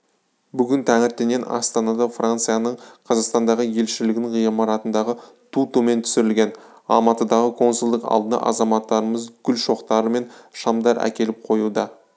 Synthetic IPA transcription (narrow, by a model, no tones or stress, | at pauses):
bʏɡʲɪnt̪ʰæŋɪɾt̪ːene̞nʔɑ̰st̪ɑnɑd̪ɑfrant̪sɨjanəɴqʰɑzɑqst̪ɑnd̪ɑʁəje̞lʃɪlɪɡ̪ʲɪɴʁijmɑɾɑt̪ənd̪ɑʁə | t̪ʰut̪ume̞nt̪ʰʏ̥sɪɾɪlɡʲe̞n | ɑ̰lˠmɑt̪əd̪ɑʁəkʰo̞nsulˠd̪əqɑ̰lˠd̪ənɑ̰ʔɑ̰zɑmɑt̪ːɑɾəməzɡʲʏlʃo̞qt̪ɑɾəme̞nʃɑmd̪ɑɾʔæ̰kʲe̞lɪp̚qʰo̞jud̪ɑ